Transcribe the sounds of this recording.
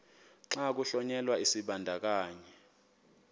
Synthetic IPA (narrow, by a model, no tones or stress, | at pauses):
ǁak̬uɬɔɲɛlwaisiɓandʱak̬aːɲɛ